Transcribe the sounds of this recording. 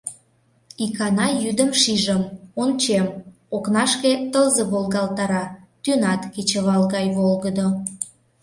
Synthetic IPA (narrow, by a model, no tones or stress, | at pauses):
ikɑnɑjyd̪əmʃiʒəmont͡ɕem | oknɑʃket̪əlzəβolɣɑlt̪ɑɾɑt̪ynɑt̪kit͡ɕəβɑlɣɑjβolɣəd̪o